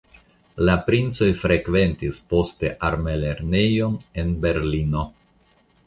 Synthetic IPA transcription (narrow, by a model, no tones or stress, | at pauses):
lapɾint͡so̞jfɾe̞kve̞ntispo̞ste̞ʔaɾme̞le̞ɾne̞jo̞ne̞nbe̞ɾlino̞